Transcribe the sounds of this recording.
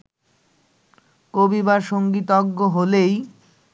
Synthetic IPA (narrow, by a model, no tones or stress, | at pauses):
kobibaɾʃoŋɡit̪ɔɡːoɦolej